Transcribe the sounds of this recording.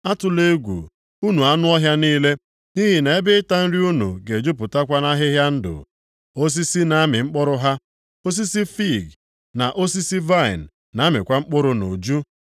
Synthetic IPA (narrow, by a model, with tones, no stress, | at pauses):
a˦tʊ˨le˦ɡʷṵ˨ | u˦nu˨a˦nʊ˦ɔ˦ɦja˦niː˦le˦ | ni˦ɦi˨ne˨e˦bɪ˦ɪ˦ta˦n̩˦ɾi˦u˦nṵ˨ɡe˨d͡ʒʊ˦p̬ʊ˨ta˦kʷa˦na˦ɦɪ˦ɦja˦n̩˦dʊ̰˨ | o˦s̬i˦si˦na˨a˦mɪ˨ŋ͡m̩˦k͡pɔ˦ɾʊ˦ɦa˦ | o˦s̬i˦si˦fi˦˨ɡ | na˨ʔo˦s̬i˦si˦va˦˨ɪ̰˨nː˨a˨˦mɪ˨kʷa˦ŋ͡m̩˦k͡pʊ˦ɾʊ˨no˨d͡ʒu˦